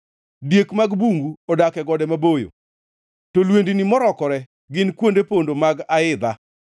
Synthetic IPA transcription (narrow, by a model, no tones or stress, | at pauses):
djekmaɡbuŋɡuɔdakɛɡɔdɛmabojo̰ | tolwendinimɔɾɔkɔɾɛ | ɡɪnkwondepondomaɡaɪd̪a